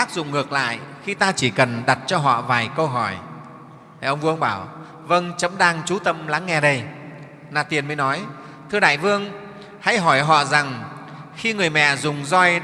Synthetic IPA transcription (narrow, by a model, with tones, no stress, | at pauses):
t̪aː˦˥k̚zʊ̰˧˨ŋ͡mŋɨ˨˩ək̚la̰ː˧˨jxi˧t̪aː˧t͡ɕi˧˩kə˨˩nɗa˨˩t̚t͡ɕɔ˧ɦɔ̰˧˨vaː˨˩jkə˧wɦɔ˧˩j | ʔə˧wŋ͡mvɨ˧əŋɓaː˧˩w | və˧ŋt͡ɕə˨˦mɗaː˧ŋt͡ɕu˨˦t̪ə˧mla̰˨˦ŋːɛ˧ɗə˧j | naː˨˩t̪i˨˩ənməː˨˦jnɔ˨˦j | t̪ʰɨ˧əɗa̰ː˧˨jvɨ˧əŋ | ha̰˧˥jɦɔ˧˩jɦɔ̰˧˨za˨˩ŋxi˧ŋɨ˨˩əjmɛ̰˧˨zʊ˨˩ŋ͡mzɔ˧j